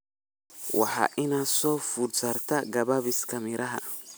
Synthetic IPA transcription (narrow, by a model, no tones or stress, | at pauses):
wɑ̰ħɑ̰ːʔɪnaːsɔːfudsɐrt̪ʰɐɡɐβaβɪskʰɐmɪɾɐɦɐ̰